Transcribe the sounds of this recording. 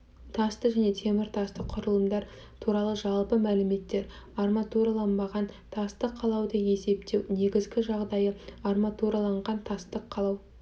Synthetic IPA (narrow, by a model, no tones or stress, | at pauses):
t̪ʰɑst̪əʒæne̞t̪ʰe̞mɪɾt̪ʰɑst̪əqʰʊɾəlˠəmd̪ɑɾ | t̪ʰuɾɑlˠəʒɑlˠpəmælɪme̞t̪ːe̞ɾ | ɑrmɑt̪uɾɑlˠɑnbɑʁɑnt̪ʰɑst̪əqʰːɑlˠɑwd̪əje̞se̞p̚t̪e̞wne̞ɡʲɪzɡʲɪʒɑʁd̪ɑjəɑrmat̪uɾɑlˠɑɴʁɑnt̪ʰɑst̪əqʰːɑlˠɑw